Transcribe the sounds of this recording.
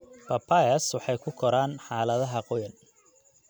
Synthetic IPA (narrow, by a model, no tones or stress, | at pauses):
pʰɐpʰɐɐswɑħɑjkʰʊkʰɔɾaːnħɑːlɐðɐɦɐqɔjɐn